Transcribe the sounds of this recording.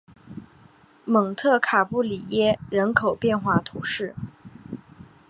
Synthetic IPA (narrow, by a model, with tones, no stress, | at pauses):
mɤ˨˩ŋt̪ʰɤ˥˩kʰa˨˩pu˥˩li˨˩jɛ˥ɻə˧˥nkʰo˨˩ʊpjɛ˥˧nxwa˥˩t̪ʰu˧˥ʂɻ̩˥˩